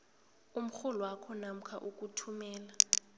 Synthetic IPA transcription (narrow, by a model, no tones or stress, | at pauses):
um̩xulɔwakʰɔnam̩kʰa̰ʔukʼutʰumɛːla